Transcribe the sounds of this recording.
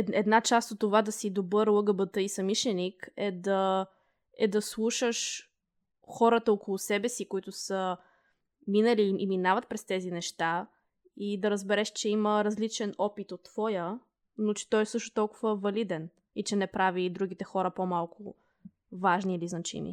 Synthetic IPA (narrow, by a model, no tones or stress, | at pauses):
ɛd̪nat͡ʃast̪ot̪ːovad̪ɐsid̪obɤɾlˠɤɡəbət̪əisɐmiʃɛnikɛd̪ɐ | ɛd̪ɐslˠuʃəʃ | xɔɾət̪əokolˠʊsɛbɛsikoit̪ʊsə | minəliʔːminavət̪̚pɾɛst̪ɛzinɛʃt̪a | id̪ɐɾəzbɛɾɛʃt͡ʃɛiməɾɐzlit͡ʃɛnɔpit̪ot̪ːv̥ɔjə | not͡ʃɛ̥t̪ɔjɛsɤʃt̪ʊ̥t̪ɔlˠkʊvəvɐlid̪ɛn | it͡ʃɛnɛpɾavid̪ɾuɡ̟it̪ɛxɔɾəpomalˠkʰʊ | vaʒniːliznɐt͡ʃḭmḭ